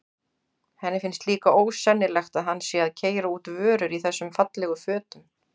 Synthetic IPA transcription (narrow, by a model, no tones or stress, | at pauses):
hɛnːɪfɪnst̪liːkaoːwsɛnːɪlɛxt̪aðɦanːsjɛaðcʰeːjɾauːt̪vœːɾʏɾiθɛsːʏmfat̪lɛɣʏfœːt̪ʏm